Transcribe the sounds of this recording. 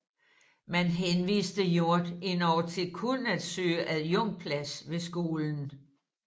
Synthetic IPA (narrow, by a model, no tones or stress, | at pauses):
mænɦenʋḭːsd̥əjo̝ɐ̰d̥e̝nɒ̰ːt͡sʰe̝lkʰonæd̥sø̰ːʔæðˠjɔŋ̰pʰlæsʋe̝sɡ̥o̝ːln̩